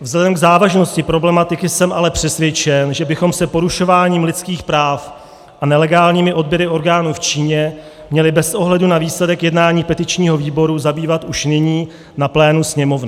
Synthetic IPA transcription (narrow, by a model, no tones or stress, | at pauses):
vzlɛdɛmɡzaːvaʒno̞scɪpɾo̞blɛmat̪ɪkɪsɛmʔalɛpr̝̥ɛsvjɛt͡ʃɛnʒɛbɪxo̞msɛpo̞ɾuʃo̞vaːɲiːmlɪt͡skiːxpɾaːf | ʔanɛlɛɡaːlɲiːmɪʔo̞d̚bjɛɾɪʔo̞ɾɡaːnuːft͡ʃiːɲɛ | mɲɛlɪbɛsʔo̞ɦlɛdunaviːslɛdɛkjɛdnaːɲiːpɛt̪ɪt͡ʃɲiːɦo̞viːbo̞ɾuzabiːvat̪uʃnɪɲiː | naplɛːnusɲɛmo̞vnɪ